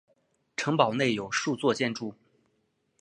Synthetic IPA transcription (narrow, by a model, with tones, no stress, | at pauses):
ʈ͡ʂʰɤ˧˥ŋpɑ˨˩ʊne˥˩ɪjo˨˩ʊʂu˥˧t͡swɔ˥˧t͡ɕjɛ˥˧nʈ͡ʂu˥˩